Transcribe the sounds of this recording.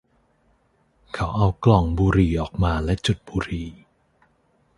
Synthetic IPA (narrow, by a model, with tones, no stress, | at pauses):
kʰa˦˥wʔa˧wklɔ˨˩ŋbuː˧ɾiː˨˩ʔɔː˨˩k̚maː˧lɛ˦˥t͡ɕu˨˩t̪̚buː˧ɾiː˨˩